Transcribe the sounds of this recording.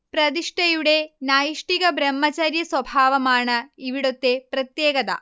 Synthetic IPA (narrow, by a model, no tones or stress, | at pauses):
pɾɐd̪iʂʈɐjuɽenaːjiʂʈikɐbɾɐmːɐt͡ʃɐɾjɐswɐbʱaːʋɐmaːɳɐiʋiɽot̪ːepɾɐt̪jeːɡɐd̪ɐ̰